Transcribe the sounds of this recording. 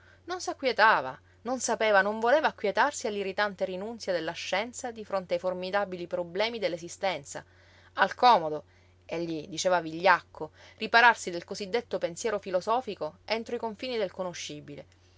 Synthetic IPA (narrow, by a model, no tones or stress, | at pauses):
nonsakːwjet̪aːva̰ | nonsapeːvanoɱvoleːvaːkːwjet̪arsialːirit̪ant̪eɾinunt̪sjad̪elːaʃːɛnt̪sad̪ifɾont̪eajformid̪abilipɾoblɛːmid̪elːesist̪ɛnt̪sa̰ | alkɔːmod̪o | eʎːid̪it͡ʃɛːvaviʎːakːoripaɾarsid̪elkozid̪ːet̪ːopensjɛːɾofilozɔːfikoent̪ɾoikoɱfiːnid̪elkonoʃːibile